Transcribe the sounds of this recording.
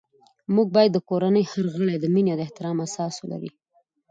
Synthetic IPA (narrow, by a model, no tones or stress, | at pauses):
muɡ̚bɑjad̪ːəkoɾanəjhəɾɣəɽed̪əminjawd̪əɪht̪ɪɾɑmasɑsola̰ɾḭ